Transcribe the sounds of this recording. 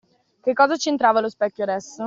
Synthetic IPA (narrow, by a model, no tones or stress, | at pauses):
kekːɔːzat͡ʃent̪ɾaːvalospɛkʲːjoɾɛs